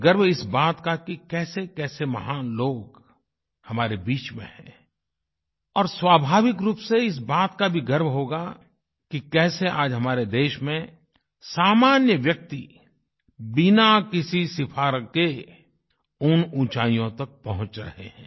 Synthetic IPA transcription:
ɡəɾbɪsbaːt̪kakikɛːsekɛːsemɐ̰ɦaːnloːɡ | hɐmaːɾebiːt͡ʃmḛ̃hɛ̰̃ː | ɔːɾswaːbʱaːʋɪkɾuːpseɪs̬baːt̪kabʱiɡɐɾbɦoːɡa | kikɛːseʔaːd͡ʒɦɐmaːɾed̪eːʃmẽ | saːmaːnjəʋjɐk̚t̪i | bɪnakɪsisɪpʰaːɾke | ʊnũːt͡ʃaːijõt̪ɐk̚pɐɦʊ̃t͡ʃɾɐ̰ɦḛhɛ̰̃ː

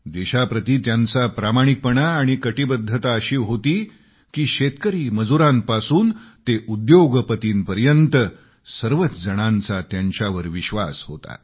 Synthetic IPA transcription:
d̪eɕapɾət̪iːt̪jant͡sapɾamaɽ̃ik̚pəɳaːɽ̃ikəʈibəd̪ʱːət̪aəɕiːɦot̪iː | kiːɕet̪kəɾiːməd͡zuɾãmpasuːnt̪eʔud̪joɡpət̪iːnpəɾjənt̪ə | səɾʋət̪d͡zəɽ̃ant͡sat̪jaɲt͡ɕaʋəɾʋiɕʋa̰sɦot̪a̰

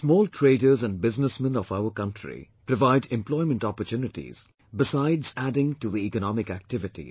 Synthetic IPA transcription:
smɔːltʰɹeɪdə˞zæ̃nɖ̚bɪznəsmə̃nɔvaʊəkʌ̃ntʰɹḭpɾɔvaɪdɛ̃mplɔɪmə̃ntɔpətjuːnɪʈḭz̥ | bɪsaɪdzædɪ̃ŋtuðiikənɔmɪkæk̚tɪvɪtḭ

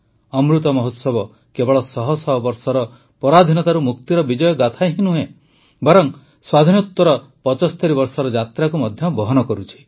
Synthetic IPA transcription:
ɔmɾut̪ɔmɔɦot̪sɔbɔ | kebɔɭɔsɔɦɔsɔɦɔbɔɾsɔɾɔ | pɔɾad̪ʱinɔt̪aɾumukt̪iɾɔbid͡ʒɔjɔɡat̪ʰajɦinuɦẽ | bɔɾɔŋ | swad̪ʱinɔt̪wɔɾɔ | pɔt͡ʃɔst̪ʰɔɾibɔɾsɔɾɔd͡ʒat̪ɾakumɔd̪ʱjɔbɔɦɔnɔkɔɾut͡ʃʰi̥

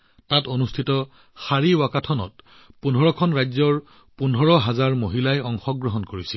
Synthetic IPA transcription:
tatonustʰitɔt | xaɹiwakatʰɔnɔ̰t | punʱɔɹɔkʰɔnɹajzɔɹ | punʱɔɹɔɦazaɹmoɦilajɔŋxɔɡɹɔɦɔnkoɹisil

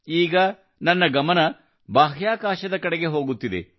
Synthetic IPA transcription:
iːɡɐ | nɐnːɐɡɐmɐnɐ | baːɦjaːkaːʃɐd̪ɐkɐɽeɡe̞ɦo̞ːɡut̪ːid̪ḛ

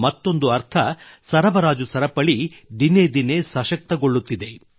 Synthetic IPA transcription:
mɐt̪ːo̞nd̪uɐɾt̪ʰɐsɐɾɐbɐɾaːd͡ʒusɐɾɐpɐɭid̪ined̪ine̞sɐʃɐk̚t̪ɐɡoɭːut̪ːid̪e̞

